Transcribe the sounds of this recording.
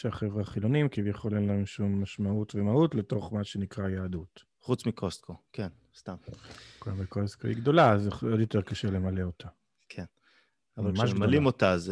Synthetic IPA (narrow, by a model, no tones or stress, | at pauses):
ʃeaχevʁaχilo̞nimkivjaχo̞lenlaemʃumːaʃmautvemautle̞to̞χmaʃe̞nikʁajaːdut | χut͡smikʰoskoken | st̪amkujambekosko̰iɡd̪o̞lazeo̞d̪jo̞teʁkaʃele̞male̞o̞tʰa | kʰen | avalmamalimot̪az